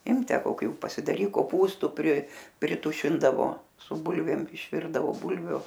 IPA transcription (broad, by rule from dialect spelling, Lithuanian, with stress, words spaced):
ˈɪmk ˈtʲæː koːˈkʲuː pɐsʲɪdɐˈrʲiːk koːˈpuːstʊ pʲrʲɪ pʲrʲɪˈtʊʃʲɪndɐʋoː sʊ ˈbʊlʲʋʲeːm ɪʃʲˈʋʲɪrdɐʋoː ˈbʊlʲʋʲuː